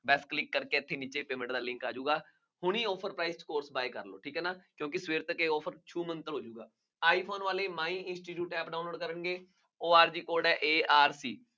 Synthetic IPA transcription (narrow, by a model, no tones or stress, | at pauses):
bɛːsklɪkːəɾkeːət̪ʰːeːniːt͡ʃeːpeːmɛ̃ɳʈd̪aːlɪ̃ŋkaːd͡ʒuːɡaː | hʊɳ̃iːɔːpʰəɾpɾaːɪskoːɾsbaːekə̰ɾlo̰ːʈʰiːkɦɛːnaːkjõːkɪsʋeːɾt̪əkeːɔːpʰəɾt͡ʃʰuːmənt̪əɾɦoːd͡ʒuːɡaː | aːiːpʰoːnʋaːleːmaːĩːɪnsʈiːʈjuːʈɛːpɖaːnloːɖkəɾəɳɡeː | oːaːɾd͡ʒiːkoːɖɛːʔeːaːɾsiː